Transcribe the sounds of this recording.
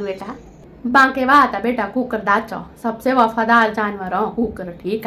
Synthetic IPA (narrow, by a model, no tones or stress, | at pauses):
beːʈa | bãːkeʋaːt̪abeːʈakuːkəɾd̪aːt͡ʃɔ̰sɐbseʋɔfɐd̪aːld͡ʒaːnʋəɾɔ̃kuːkəɾʈʰiːka